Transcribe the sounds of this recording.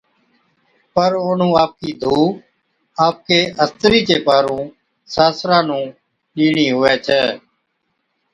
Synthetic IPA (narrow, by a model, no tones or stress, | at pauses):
pəɾoːnũːaːp̚kiːd̪ʱuː | aːp̚keːʔəst̪ɾiːt͡ʃeːpaːɾũː | saːsɾãːnũː | ɗiːɳiːɦʊʋeːt͡ʃʰɛː